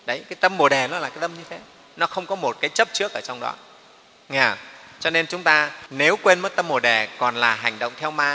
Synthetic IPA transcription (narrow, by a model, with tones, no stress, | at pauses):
ɗə˨˦jkaː˨˦jt̪ə˧mo˨˩ɗɛ˨˩nɔ˨˦laː˨˩kaː˨˦jt̪ə˧mɲɨ˧t̪ʰe˨˦ | nɔ˨˦xə˧wŋ͡mkɔ˨˦mo˨˩t̚kaː˨˦jt͡ɕə˦˥p̚t͡ɕɨ˦˥ək̚ʔəː˧˩t͡ɕɔ˧wŋ͡mɗɔ̰˨˦ | ŋɛ˧˩˨t͡ɕɔ˧ne˧nt͡ɕʊ˨˦ŋ͡mt̪aː˧ne˨˦wkwe˧nməː˨˦jt̪ə˧mːo˨˩ɗɛ˨˩kɔ˨˩nlaː˨˩ɦa˨˩jŋ̟ɗə̰˧˨wŋ͡mt̪ʰɛ˧wmaː˧